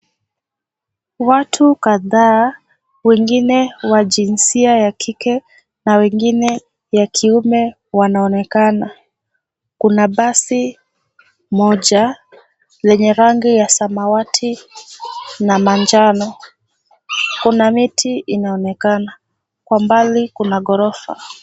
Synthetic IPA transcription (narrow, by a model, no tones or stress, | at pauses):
watʰukaðaː | wɛŋɡinɛwaʄinsiajakʰikɛ | nawɛŋɡinɛ | jakʰiumɛ | wanaɔnɛkana | kunaɓasi | mɔʄa | lɛɲɛɾaŋɡijasamawatʰi | namaɲd͡ʒanɔ | kunamitʰiinaɔnɛkana | kwambalikunaɡɔɾɔfa̰